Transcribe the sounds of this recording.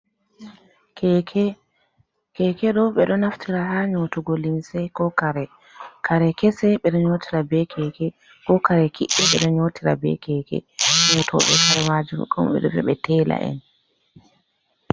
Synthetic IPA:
kɛɛ | kɛkɛɗɔɓɛɗɔnaftʰiɾaɦaɲotuɡolinsɛkɔkaɾɛ | kʰaɾɛkɛsɛɓɛɗɔɲotʰiɾabɛkʰɛkɛ | kɔkaɾɛkʰiʔːɛɓɛɗɔɲotiɾa̰bɛ̰kɛːkɛ̰ɲɔtʰɔ̰ɓɛkaɾɛmad͡ʒumɔ̰kɔ̰mɓɛ̰ɗɔ̰vɛ̰ɓɛtɛla̰ʔɛ̰n

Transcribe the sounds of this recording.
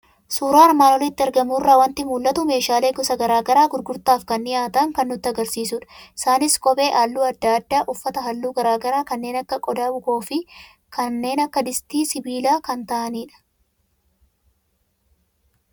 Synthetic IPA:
suːɾaːɐɾmaːnɔlɪt̪ːɪɛɾɡɐmuːrːaːwɐnt̪ɪmuːlːɐt̪ʊme̞ːʃaːle̞ːɡɔsɐɡɐɾaːɡɐɾaːɡʊɾɡʊɾt̪aːfkɐnːɪjaːt̪ɐŋkɐnːʊt̪ːɪɐɡɐɾsiːsʊᶑɐ̥ɪ̥saːnɪskʼɔbʼe̞ːʔaːlːuːɐd̪ːaːd̪ːaːʔʊfːɐt̪ɐɦɐlːuːɡɐɾaːɡɐɾaːkɐnːe̞ːnɐkːɐkʼɔd̪aːbʊkoːfɪ | kʰɐnːe̞ːnɐkːɐd̪ɪst̪iːsɪbiːlaːkɐnt̪ɐʔɐniːᶑɐ̥

